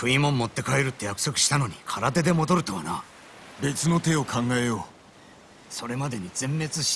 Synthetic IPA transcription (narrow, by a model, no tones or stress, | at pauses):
ɸɯ̟imõ̞mːo̞t̪ːe̞kaeɾɯ̟t̪ːe̞jakɯ̟̥so̞kɯ̟ɕi̥t̪ano̞ɲ̟ikʰaɾat̪e̞d̪e̞mo̞d̪o̞ɾɯ̟t̪o̞βana | be̞t͡sɨno̞t̪e̞o̞kʰãŋɡae̞joː | so̞ɾe̞mad̪eɲ̟id͡zẽ̞mːe̞t͡sɨɕ